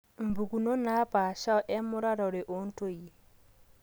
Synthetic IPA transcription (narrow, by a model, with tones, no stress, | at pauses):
m̩˨bu˨ku˨no˦na˨˦pa˨ʃa˦ɔ˦ʔɛ˦mʊ˦ɾa˦ɾɔ˨ɾe˨ʔo˦n˦to˦je˨